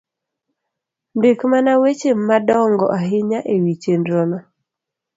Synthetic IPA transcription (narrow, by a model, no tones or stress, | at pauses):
ndekmanawet͡ʃeːadɔŋɡɔ̰ʔaɦɪɲaʔewit͡ʃendɾɔnɔ